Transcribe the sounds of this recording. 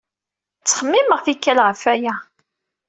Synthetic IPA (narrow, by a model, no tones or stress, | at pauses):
t͡sːχəmːiməʁfikːælʁəfæjæ